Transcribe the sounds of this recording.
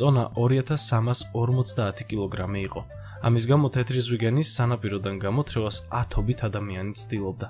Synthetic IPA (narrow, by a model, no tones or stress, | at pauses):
sʼɔnaʔɔɾiat̪ʰasːamasɔɾmɔt̪sʰd̪aːt̪ʰi̥kʼilˠɔɡɾamiːqʼɔ | a̰misɡamɔt̪ʰɛt̪ʰɾizwiɡɛnisːanapʼiɾɔd̪anɡamɔt̪ʰɾɛvasat̪ʰɔbit̪ʰad̪amianit̪sʰd̪ilˠɔb̚d̪a